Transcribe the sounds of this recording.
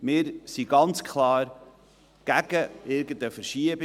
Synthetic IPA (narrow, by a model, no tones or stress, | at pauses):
mɪɾsiɡ̥ɑnt͡skχlɑːɾ | ɡ̥æɡ̥əɪɾɡəndəfəɾʃiəb